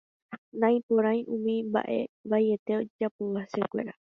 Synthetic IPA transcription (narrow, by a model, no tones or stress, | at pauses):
nãj̃põɾ̃ãj̃ʔũmĩmba̰ʔe̞̰ʋajet̪eod͡ʒapuwasekʷe̞ɾa